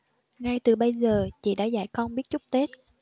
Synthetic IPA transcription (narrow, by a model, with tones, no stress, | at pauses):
ŋa˧jt̪ɨ˨˩ɓə˧jzəː˨˩t͡ɕḭ˧˨ɗa̰ː˧˥za̰˧˩jkɔ˧nɓi˦˥ət̚t͡ɕʊ˦˥k͡p̚t̪e˦˥t̚